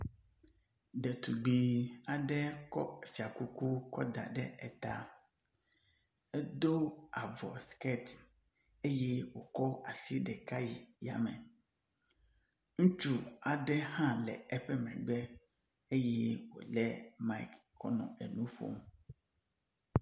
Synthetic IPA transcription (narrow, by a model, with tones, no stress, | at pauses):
ɖɛ˨t̪u˨ɡ͡bi˨a˨ɖɛ˦kɔ̰˦˨fi˨a˨ku˦ku˦kɔ˦d̪a̰˨ɖɛ˦ɛ˨t̪a̰˦ | ɛ˦d̪o˦a˨vɔ̰˨skɛ˦t̪ | e˦je˦wo˨kɔ˦a˨si˦ɖɛ˨ka˦ji˨ja̰˨mɛ̃˨ | ŋũ˦t͡ʃu˦a˨ɖɛ˦hã˦lɛ̰˨ɛ˦ɸɛ˦mɛ̰̃˨ɡ͡bɛ˦ | e˦je˦wo̰˨lɛ˦ma˦i˦k | kːɔ̰˦nɔ̰̃˨ʔɛ˨nũ˦ɸo̰˦m